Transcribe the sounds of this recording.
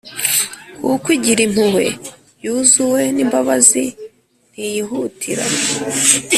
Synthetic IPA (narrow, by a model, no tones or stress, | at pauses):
kukwiɟiɾim̥huhe̞ | juzuwe̞niːmbaβazi | n̥hijiɦutʰiɾa̰